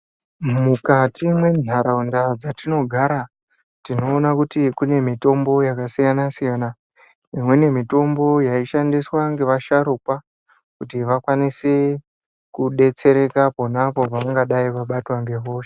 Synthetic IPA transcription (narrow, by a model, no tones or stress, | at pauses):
mukatʰimwe̞n̤ʱaɾaundad͡zatino̞ɡʱaɾa | tino̞ːnakutikune̞mito̞mbo̞jakasijanasijana | imwe̞ne̞mito̞mbo̞jaiʃandiswaŋɡe̞ʋaʃaɾuka | kutiʋakwanise | kuɗe̞t͡se̞ɾe̞kapo̞napo̞paŋɡaɗaiʋaɓatwaŋɡe̞ʋo̞ːʃe̥